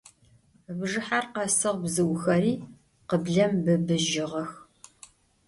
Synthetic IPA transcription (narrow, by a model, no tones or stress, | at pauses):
bʐɨħarqɐsɨʁbzɨwxɐɾiː | qəbɮɐmbɨbɨʒɪʁɐx